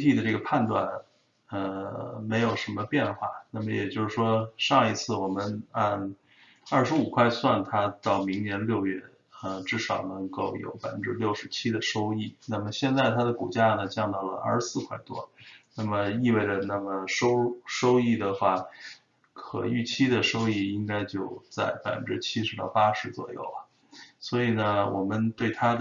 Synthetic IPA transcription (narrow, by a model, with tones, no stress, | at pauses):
t̪ʰi˥˩d̪ə˩ʈ͡ʂɤ˥˩ɡə˩pʰa˥˧nt̪wa˥˩n | ə˧me˧˥ɪjo˨˩ʊʂə˧˥nmə˧pjɛ˥˧nxwa̰˥˩na˥˩mə˩jɛ̰˨˩t͡ɕjo˥˧ʊʂɻ̩˥˩ʂwɔ˥ʂɑ˥˧ŋi˧˥t͡sʰɹ̩˥˩wɔ˨˩mə˦nə˧ | ɐ˞˥˩ʂɻ̩˧˥u˨˩kʰwa˥˧ɪswa˥˩nt̪ʰa˥t̪ɑ˥˩ʊmi˧˥ŋnjɛ˧˥nljo˥˧ʊɥɛ˥˩ | ə˧ʈ͡ʂɻ̩˥˩ʂɑ˨˩ʊnɤ˧˥ŋko˥˩ʊjo̰˧˥ʊpa˨˩ɪfə˥nʈ͡ʂɻ̩˥˧ljo˥˩ʊʂɻ̩˧˥t͡ɕʰi˥d̪ə˨ʂo˥ʊi˥˩na˥˩mə˩ɕjɛ˥˧nt͡sa˥˩ɪt̪ʰa˥d̪ə˨ku˨˩t͡ɕja˥nə˩t͡ɕjɑ˥˧ŋt̪ɑ˥˩ʊlə̰˩ʔɐ̰˞˥˧˩ʂsɹ̩˥˧kʰwa˥˩ɪt̪wɔ˥na˥˩mə˩i˥˧we˥˩ɪʈ͡ʂə˩na˥˩mə˩ʂo˥ʊʂo˥ʊi˥˩d̪ə˩xwa˥˩ | kʰɤ̰˨˩y˥˩t͡ɕʰi˥d̪ə˨ʂo˥ʊi˥˩i˥ŋka˥ɪt͡ɕjo˥˧ʊt͡sa˥˩ɪpa˨˩ɪfə˧ʈ͡ʂɻ̩˥t͡ɕʰi˥ʂɻ̩˧˥t̪ɑ˥˩ʊpa˥ʂɻ̩˧˥t͡swɔ̰˨˩jo̰˥˩ʊɐ˩ | swɔ˧˥i˨˩nə˦wʔɔ̰˨˩mə˦nt̪we˥˩ɪt̪ʰa˥d̪